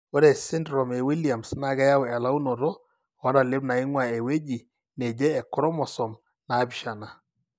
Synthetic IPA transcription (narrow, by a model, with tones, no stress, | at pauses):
wɔ˦ɾɛ˨sɪ˦ndɾɔ˨mɛ˨wi˦lia˨msna˨ɡa˦ja˦wɛ˨la˦u˦nɔ˨ɾɔ˦ | ɔ˦da˨lɪ˦bna˨ɪ˦ŋwa˨ɛ˨we˦d͡ʒi˨ | nɛ˨d͡ʒɛ˦ɛ˨kɔ˦ɾɔ˦mɔ˨sɔ˨m | na˨˦bi˨ʃa˨na˨